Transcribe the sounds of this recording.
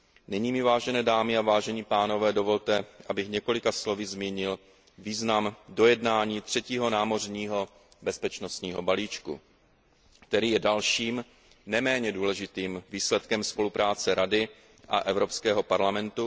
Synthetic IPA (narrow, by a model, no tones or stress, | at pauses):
nɪɲiːmɪvaːʒɛnɛːdaːmɪavaːʒɛɲiːpaːno̞vɛːdo̞vo̞lt̪ɛʔabɪxɲɛko̞lɪkaslo̞vɪzmiːɲɪl | viːznamdo̞jɛdnaːɲiːt̪r̝̥ɛciːɦo̞naːmo̞r̝ɲiːɦo | bɛspɛt͡ʃno̞st̪ɲiːɦo̞baliːt͡ʃkṵ | k̚t̪ɛɾiːjɛdalʃiːm | nɛmɛːɲɛduːlɛʒɪt̪iːmviːslɛt̪kɛmspo̞lupɾaːt͡sɛɾadɪ | ʔa̰ʔɛvɾo̞pskɛːɦo̞paɾlamɛnt̪u